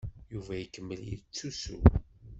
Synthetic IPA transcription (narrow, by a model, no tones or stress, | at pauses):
juvæjəkːəmːəljḭðt͡sːusṵ